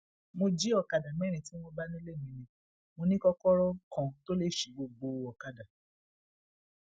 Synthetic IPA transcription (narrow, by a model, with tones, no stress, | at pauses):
mo˧d͡ʒi˦ɔ˨ka˨da˨mɛ̃˦ɾ̃ĩ˨tĩ˨˦mɔ˧ba˦nĩ˦le˦˨mĩ˨˧nĩ˨ | mo˧nĩ˦kɔ˧kɔ˦ɾɔ˦kã˨to˦le˦˨ʃi˨˦ɡ͡bo˧ɡ͡bo˧ɔ˨ka˨da˨